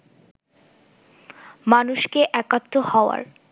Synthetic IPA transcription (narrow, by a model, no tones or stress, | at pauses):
manuʃkeʔɛkat̪ːohɔoa̰ɾ